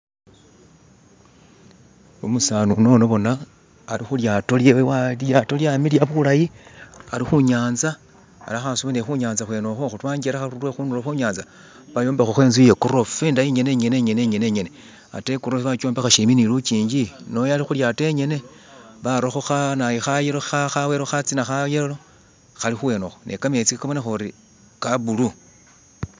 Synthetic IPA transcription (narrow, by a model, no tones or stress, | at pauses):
omusaːnuno̞noβo̞naː | lixuljato̞ljewewaljato̞ljamiljaβulajialixuɲaːnza̰ː | laxasumenexuɲaːnzaxweno̞xoxutwaːɲɡeɾaxaɾulwexunuloxuɲaːnza | βajombexoxe̞ːnzujekuro̞ffendajiɲe̞ne̞ɲe̞ne̞ɲe̞ne̞ɲene̞ɲe̞ne | a̰tekuɾofiβakoːmbexaʃeminilukiːɲɟinojalixuljate̞ɲe̞ne̞βaɾoxo̞xanajixajeloaxaweɾoxat͡sinaxajelolo̞ | xalixuweno̞xonʔḛkame̞t͡sikkawonexoɾi | kaβulu